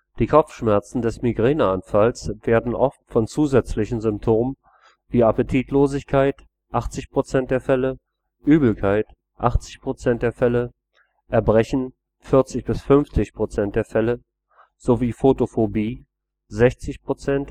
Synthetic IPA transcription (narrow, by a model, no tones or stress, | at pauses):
d̥iːkʰɔp͡ffʃmɛɐt͡sn̩dɛsmiɡʁeːnəanfalsv̥eːɐdn̩ʔɔftfɔnt͡suːzɛt͡slɪçən̩zʏmp̚tʰoːmə | viːapətʰiːtʰloːzɪçkʰaɪt | ʔaχt͡sɪçpʁ̥ot͡sɛnt̚d̥eːɐfɛlə | ʔyːbl̩kʰaɪt | ʔaχt͡sɪçpʁ̥ot͡sɛnt̚d̥eːɐfɛlə | ʔʔɛɐbʁɛçn̩ | fɪɐt͡sɪçb̥ɪsfʏnft͡sɪçpʁ̥ot͡sɛnt̚d̥eːɐfɛlə | z̥oviːfotofobiː | zɛçt͡sɪçpʁ̥ot͡sɛnt